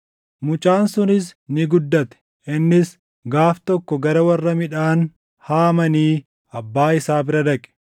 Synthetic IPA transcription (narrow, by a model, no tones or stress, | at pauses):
mʊt͡ʃʼaːnsʊnɪsnɪɡʊd̪ːɐt̪ɛ̥ | ʔɪnːɪs | ɡaːft̪ɔkːɔɡɐɾɐwɐrːɐmɪᶑaːn | haːmɐniː | ɐbːaːɪsaːbɪɾɐd̪ɐkʼɛ̥